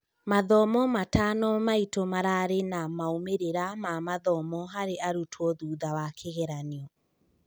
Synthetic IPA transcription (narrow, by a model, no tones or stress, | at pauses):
maðɔmɔmatanɔmaitomaɾaɾenamaomeɾeɾamamaðɔmɔɦaɾeaɾutʰwɔðuːðawakʰeɣɛɾaniɔ